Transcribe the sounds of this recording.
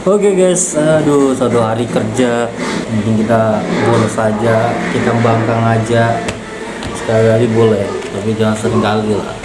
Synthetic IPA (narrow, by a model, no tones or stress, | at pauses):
okeɡajsədusat̪uɦaɾikərd͡ʒauŋkɪŋkit̪abolɛsad͡ʒakit̪aŋbaŋkaŋad͡ʒa | sə̥kawiɦaɾibolɛht̪apid͡ʒaŋansəɾɪŋkalila̰h